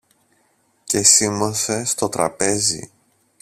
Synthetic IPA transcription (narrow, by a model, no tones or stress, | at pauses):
ce̞simose̞st̪o̞t̪ɾɐ̰pe̞zḭ